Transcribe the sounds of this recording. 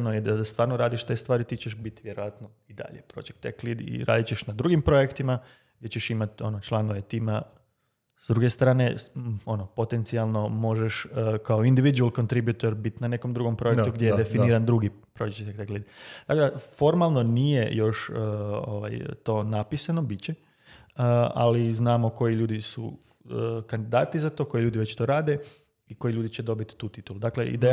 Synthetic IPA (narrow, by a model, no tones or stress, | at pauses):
nojed̪ad̪ast̪ʋaːɾnoɾaːd̪iʃt̪e̞st̪ʋaːɾit̪it͡ɕeʃbit̪ʋjeɾo̞ʋat̪no | id̪a̰ʎepɾo̞̰ːd͡ʒekt̪eklid̪ḭɾa̰ːd̪it͡ɕeʃnad̪ɾuɡimpɾo̞ekt̪ima | ɡ̚dʲe̞t͡ɕeʃimat̪o̞not͡ʃlˠanoʋet̪iːma | zd̪ɾuɡe̞st̪ɾaːne̞o̞nopo̞t̪e̞nt̪sialˠno̞mo̞ʒeʃkaoind̪iʋid̪ualˠko̞nt̪ɾibjut̪oɾbit̪nane̞ko̞md̪ɾuɡo̞mpɾo̞jekt̪uɡd̪jejed̪efiniːɾand̪ɾuɡi | pɾoit͡ʃet̪ekt̪eɡled̪id̪̥akod̪afo̞ɾmalˠno̞nije̞̰jo̞ʃəo̰ʋa̰jt̪o̞ːnapisanobit͡ɕe | əa̰liznaːmo̞ko̞jiʎuːd̪isṵ | kand̪id̪aːt̪izat̪oːko̞jiʎuːd̪iʋet͡ɕt̪o̞ɾaːd̪e̞ | iko̞jiʎuːd̪it͡ɕed̪o̞bit̪t̪ːuːt̪it̪ulud̪akle̞ʔḭd̪e